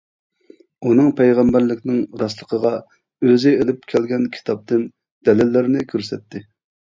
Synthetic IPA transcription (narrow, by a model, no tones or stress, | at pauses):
unɨŋpʰɛjʁɛmbæɾlɪkʲnɪŋɾɑslˠəqʰəʁɑ | øzɪelɪp̚kʲʰɛlɡʲɛnkʲʰi̥t̪ʰɑp̚t̪ɨn | d̪̥ɛlɪlːɪɾɪnɪkʲʰøɾsɛt̪ʰːɪ